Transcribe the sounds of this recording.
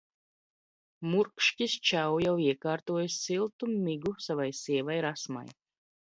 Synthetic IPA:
muɾkʃcʲist͡ʃawjawiɛkaːɾt̪uɔjsːilˠt̪umiɡusavajsiɛvajɾasma̰j

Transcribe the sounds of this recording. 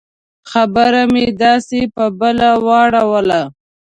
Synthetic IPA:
xabəɾamed̪ɑsepəbəlawɑɽawəla

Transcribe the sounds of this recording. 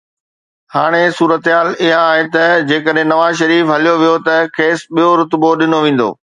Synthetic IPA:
haːɽ̃esuːɾət̪ɦaːlɪɦãaːɦet̪ɐd͡ʑeːkəɗɦẽnɐʋaːzʃɐɾiːfɦɐlijoʋijot̪ɐkʰeːsɓijoɾʊt̪boɗɪnoʋẽːn̆d̪o̰ː

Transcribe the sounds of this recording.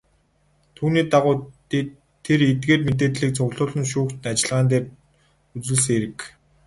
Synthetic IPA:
t̪ʰuːniːt̪aʁʊː | t̪ʰːeɾet̪̚ɡeːrmet̪̬eːt̪ɮiːk̚t͡sʰʊɣɮʊːɮɞ̆nʃuːkt̪ɘ̆nat͡ɕɪ̆ɮʁaːnt̪̬eːr | ut͡swɘ̆ɮseɾɘ̆k

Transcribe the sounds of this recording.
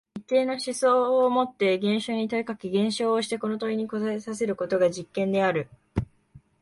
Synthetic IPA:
it̪ːe̞ːno̞ɕiso̞ːmo̞t̪ːe̞ɡẽ̞ɰ̃ɕo̞ːɲ̟it̪oikakʲiɡẽ̞ɰ̃ɕo̞ːɕi̥t̪e̞ko̞no̞t̪oiɲ̟iko̞zaesase̞ɾɯ̟ko̞t̪o̞ɡaʑikːẽ̞nd̪e̞aɾɯ̟

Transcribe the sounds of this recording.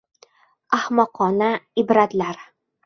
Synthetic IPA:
ahmɒqʰɒnaɪbɾat̪laɾ

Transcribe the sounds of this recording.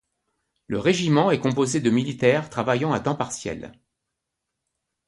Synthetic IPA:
ləʁeʒimɑ̃ɛkɔ̃pozed̪əmilit̪ɛʁt̪χavajɑ̃at̪ɑ̃paʁsjɛ̰l

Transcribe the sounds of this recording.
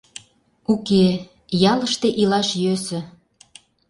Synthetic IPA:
uke | jɑləʃt̪eʔilɑʃjøsɘ̆

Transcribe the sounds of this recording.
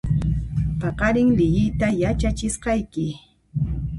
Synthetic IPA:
pɑqɑɾɪŋlɪjɪjt̪ajat͡ʃat͡ʃɪsqɑjkɪ

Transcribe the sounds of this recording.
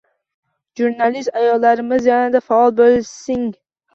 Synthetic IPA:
ʒuɾnalist̪ajɒlːaɾɪmɪzjanad̪afaɒlˠbolɪsɪŋ

